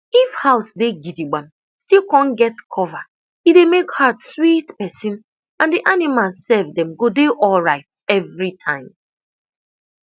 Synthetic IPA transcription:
ifhaʊsdeɡidiɡ͡bãm | stikɔ̃nɡɛtkʰɔva | idemekhadswitpɛsɪ̃n | ãndiʔanimalzsɛvdɛ̃mɡodeʔɔlɹaɪt̚ | ɛvɾitʰãɪ̃m

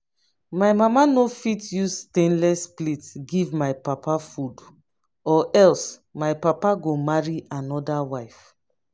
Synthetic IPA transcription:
majmamanofitjustẽnlɛsplitɡivmajpapafud | ɔʔɛlsmajpapaɡomaɹiʔanɔdawajf

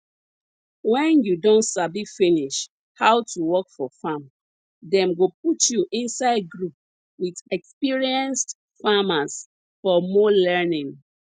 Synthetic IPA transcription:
wɛ̃njudõntsabifiniʃ | hawtuwɔkfɔfam | dɛ̃mɡop̚utjuʔĩnsaɪd̚ɡɹup̚ | witɛkspiɹiɛ̃nst | famas | fɔmɔlɛnĩŋ

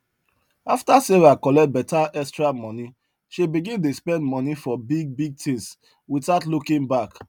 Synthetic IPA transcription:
aftaseɹakɔlɛt̚bɛtaʔɛstɹamɔ̃ni | ʃibiɡĩnt̬ospɛ̃ndmɔnifɔbiɡ̚biɡ̚tʰĩns | wiθaʊtlukĩnbak

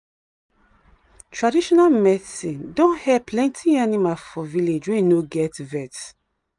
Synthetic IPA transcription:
tʰɹadiʃɔnalmɛsĩdɔ̃nhɛpʰlɛ̃ntʰianimalfɔviled͡ʒwɛ̃nnoɡɛtvɛt

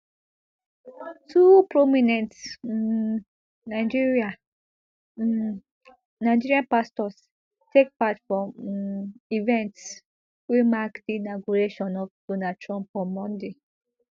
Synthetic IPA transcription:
tʰupɹɔminɛ̃nt | naɪd͡ʒiɹia | naɪd͡ʒiɹiãnpastɔs | tek̚patfɹɔ̃m | ivɛ̃nts | wimakdiːnaɡuɹeʃɔ̃nɔfd̥onatʰɹɔ̃mpɔ̃mːɔ̃nde

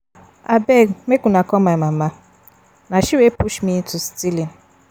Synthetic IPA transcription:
abemekunakɔmamaa | naʃiwepuʃmitustilin

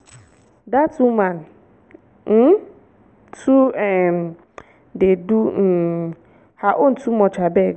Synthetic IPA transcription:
datumãn | tʰuɛm | dedu | haʔon̩tʰumɔ̃t͡ʃabɛ

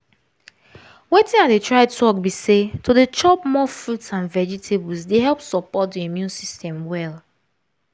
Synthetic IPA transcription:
wetɪ̃ŋat̚detʰɹaɪtʰɔk̚bisetʰodet͡ʃɔpmɔfɹutsãnvɛd͡ʒitʰebɔlsdeɦɛlˠpsɔpɔt̚diimjũnsistɛ̃mwɛlˠ

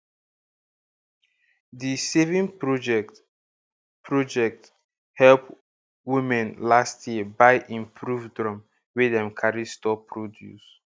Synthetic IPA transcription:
disevĩnpɹd͡ʒɛ | pɹɔd͡ʒɛk̚t | hɛlp | wimɛ̃nlastʰjiəbaɪʔĩmpʰɹuvdɹɔ̃m | wedɛ̃mkʰaɹistɔpʰːɹodjṵs

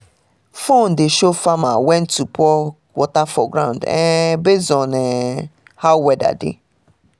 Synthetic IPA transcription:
fõndɪʃofamawɛ̃ntʰupʰɔ | wɔtafɔɡɾãʊ̃ndɛ̰̃bezɔ̃nɛ̃ | hawɛda̰dɪ̰

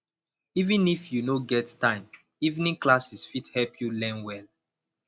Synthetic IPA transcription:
ivĩnifjunoɡɛttãɪ̃m | ivnĩŋklasisfithɛlpʰjulɛ̃nwɛl

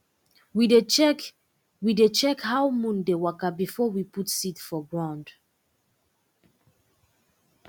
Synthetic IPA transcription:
wide | widet͡ʃɛkhawmũndewakabifɔwiputsitfɔɡɹãʊ̃nd

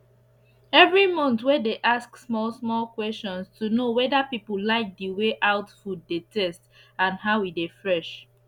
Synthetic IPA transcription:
ɛvɹimɔ̃ntwɛdeʔasksmɔlsmɔlkwɛstɔ̃nstunowɛdapipəlaɪk̚diweʔaʊtfuddetʰɛst | ãnɦaʊidefɹɛʃ

